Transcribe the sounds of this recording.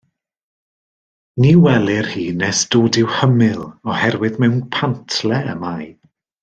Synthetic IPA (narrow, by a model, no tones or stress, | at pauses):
niːwɛlˠɪrhiːnɛsd̥oːdɪwhəmɪlˠɔhɛɾwɨðmɛwnpʰantʰlɛəmaj